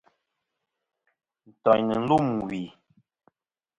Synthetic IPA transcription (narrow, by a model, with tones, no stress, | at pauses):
n̩˨tɔ˨ɲnə˨n̩˦lu˦˨m˨wi˨